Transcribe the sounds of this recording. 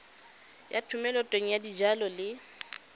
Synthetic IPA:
jatʰʊmɛlɔtʼweŋ̩jadid͡ʒalɔlɪ

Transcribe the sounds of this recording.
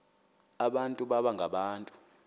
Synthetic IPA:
aɓantʼuɓaɓaŋɡʱaɓaːntʼu̥

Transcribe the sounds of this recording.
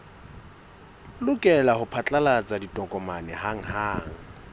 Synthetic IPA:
lʊkʼɛlahʊpʰat͡ɬʼalat͡sʼaditʼɔkʼɔmanɛhaŋ̩haːŋ̩

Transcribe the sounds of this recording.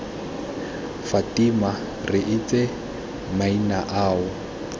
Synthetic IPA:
fatima | rɪʔɪt͡sʼɛ | mainaʔaːʊ

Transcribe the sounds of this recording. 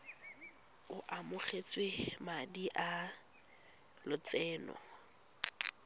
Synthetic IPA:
ʊʔamʊχet͡sʼwemadiʔa | lʊt͡sɛːnɔ̰

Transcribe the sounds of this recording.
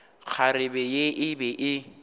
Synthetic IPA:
k͡xʰaɾɪbɛjeʔɪbɛʔɪ

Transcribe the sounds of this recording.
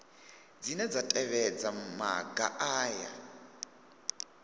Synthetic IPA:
d͡zinɛd͡zatʼɛβɛd͡zama̰ɡaʔaːja̰

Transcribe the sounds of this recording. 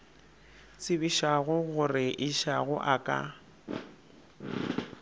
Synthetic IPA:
t͡sʼɪbiʃaɣʊɣʊrɪʔɪʃaɣʊʔakʼa̰

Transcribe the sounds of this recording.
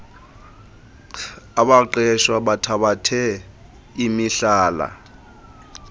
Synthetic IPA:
aɓaǃɛʃwaɓatʰaɓatʰɛ | imiɬaːla̰

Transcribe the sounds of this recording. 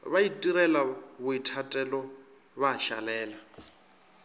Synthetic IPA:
βaitʼiɾɛlaβʊitʰatʼɛlɔ | βaʃa̰lɛːla

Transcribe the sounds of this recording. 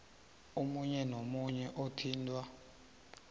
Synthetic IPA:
umuɲɛnomuɲɛʔotʰiːntʼwa

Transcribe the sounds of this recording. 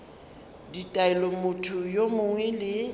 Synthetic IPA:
ditʼaɛlɔmʊtʰʊjomʊŋwɛlɪ

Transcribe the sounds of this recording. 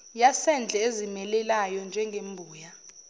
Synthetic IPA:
jasɛnd͡ɮʱɛezimɛlɛlajɔnd͡ʒʱɛŋɡʱembʱuːja

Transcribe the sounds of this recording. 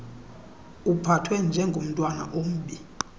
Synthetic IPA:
upʰatʰwɛnd͡ʒʱɛŋɡʱom̩tʼwana̰ʔom̩ɓi

